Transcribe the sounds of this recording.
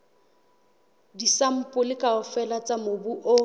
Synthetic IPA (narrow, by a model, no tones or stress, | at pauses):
disam̩pʼʊlɪkʼaʊfɛlat͡sʼamobuʔo